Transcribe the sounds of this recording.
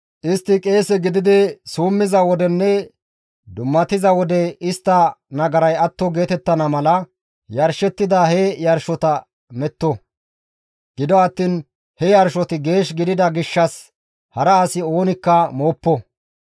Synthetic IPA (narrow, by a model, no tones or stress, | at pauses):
ʔɪst̪ːɪkʼe̞ːsɛɡɪd̪ɪd̪ɪsuːmːɪzɐwɔd̪ɛnːɛ | d̪ʊmːɐt̪ɪzɐwɔd̪ɛɪst̪ːɐnɐɡɐɾɐjɐt̪ːɔɡe̞ːt̪ɛt̪ːɐnɐmɐlɐ | jɐɾʃɛt̪ːɪd̪ɐhɛjɐɾʃɔt̪ɐ | mɛt̪ːɔ | ɡ̥ɪd̪ɔɐt̪ːiːn | hɛjɐɾʃɔt̪ɪɡe̞ːʃɡɪd̪ɪd̪ɐɡɪʃːɐs | hɐɾɐːsɪo̞ːnɪkːɐmoːpːɔ